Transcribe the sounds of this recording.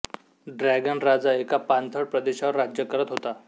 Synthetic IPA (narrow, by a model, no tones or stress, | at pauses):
ɖɾɛɡənɾad͡zaekapant̪ʰəɽpɾəd̪eɕaʋəɾːad͡ʑjəkəɾət̪ɦot̪a